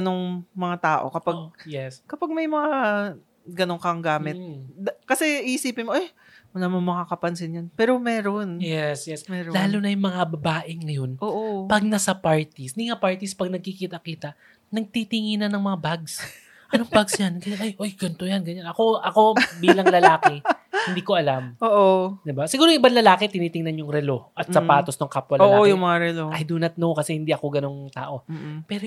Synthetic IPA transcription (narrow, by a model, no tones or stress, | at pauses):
ɐnoŋmɐŋat̪aːʔo̞̰kɐpaɡ̚jɛskɐpaɡ̚mɐjmɐŋa | ɡɐnoŋkɐŋɡaːmɪd̪kɐsɛiʔɪsiːpɪnmoʔaj | mɐlaːmɐnmɐŋakɐpɐnsɪnjanpɛːɾo̞mɛːɾonjɛsjɛsmɛːɾolaːlunɐjʊŋmɐŋabɐbaːʔɪŋɐjo̞nʔoːʔopɐɡ̚nɐsɐpaɹt̪isnɪŋapaɹt̪ispɐɡ̚nɐɡ̚kikiːt̪ɐkiːt̪ɐ | nɐɡ̚t̪it̪ɪŋinɐnɐŋmɐŋabaɡs | ʔɐnoŋbaɡsjanɡɐɲanʔajʔojɡɐnt̪o̞janɡɐɲanʔɐko̞ʔɐko̞biːlɐŋlɐlaːkɛhɪnd̪iːkoʔɐlamoːʔod̪ɪbasɪɡuːɾoʔɪbanlɐlaːkɛt̪ɪniːt̪ɪŋnɐnjʊŋɾɛlo̞ʔɐt̪sɐpaːt̪osnoŋkapwɐloːʔaojʊmɐŋaɾɛloʔɐjd̪uːnɐt̪̚nokɐsɛhɪnd̪iʔɐko̞ɡɐno̞ŋt̪a̰ːʔo̞pɛɾo